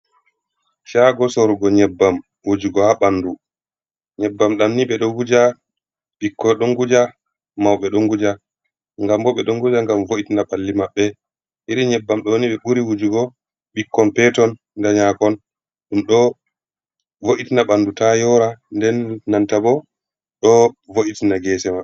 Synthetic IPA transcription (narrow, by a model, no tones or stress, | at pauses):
ʃaɡɔsɔɾuɡɔɲɛbːam | wod͡ʒuɡɔhaɓanːdu | ɲɛbːamɗamniɓɛɗɔɡud͡ʒa | ɓikːɔɗɔŋɡud͡ʒa | mawɓɛɗɔŋɡud͡ʒa | ŋɡambɔɓɛɗɔŋɡud͡ʒaŋɡamvoʔitinaɓalːimaɓːɛ | ʔiɾiɲɛbːamɗɔwniɓɛɓuɾiwud͡ʒuɡɔ | ɓikːɔnpɛtɔnːdaɲakɔn | ɗumɗɔ | voʔitinaɓandutajɔɾandɛnːantabɔ | ɗɔvoʔitinaɡɛːsɛmaɓ